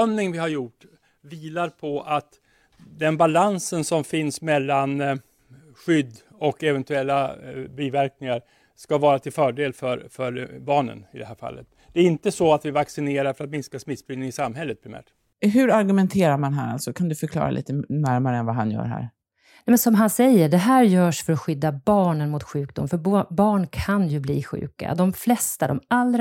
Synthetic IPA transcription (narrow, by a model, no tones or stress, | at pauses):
œmnɪŋvɪhaɾjʊʈː | viːlaɾpʰɔat̪ | d̪ɛnbalansənsɔmfɪnsmɛlːan | ɧʏd̪ː | ɔkɛvɛnt̪ɵɛlːabiːvæɾknɪŋaɾ | skavɑːɾat̪ʰɪlfœːɖeːlfœɾfœɾbɑːɳə̰nɪd̪ɛhæːɾfa̰lːə̰t̪̚ | d̪̥ɛæɾɪnt̪əsɔat̪vɪvaksɪneːɾaɾfœɾat̪mɪnskasmɪt̪sbɪɪŋɪsamɦɛlːət̪̚pʰɾɪmæ̰ːʈ | ɦɵɾaɾɡɵmɛnt̪ʰeːɾaɾmanɦæ̰ɾa̰lsɔkʰand̪ɵfœɾkʰlɑ̰ːɾa̰lḭːt̪ənæɾmaɾəɛnvaɦanjœ̰ːɾɦæ̰ːɾ | nɛmɛnsɔmɦansɛjːəɖɛɦæːɾjœːʂfœɾɔɧʏd̪ːabɑːɳənmʊt̪ɧʉ̟ːk̚d̪ʊ̰mfœɾbbɑːɳkʰanjɵblḭːɧʉ̟̰ːka̰d̪ɔmflɛst̪ad̪ɔ̰malːɾ